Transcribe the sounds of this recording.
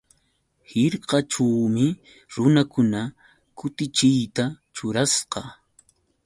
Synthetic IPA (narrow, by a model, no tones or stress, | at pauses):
hɪɾqɑʈ͡ʂawmɪ | ɾʊnakʊna | kʊt̪ɪt͡ʃɪjt̪a | t͡ʃʊɾasqɑ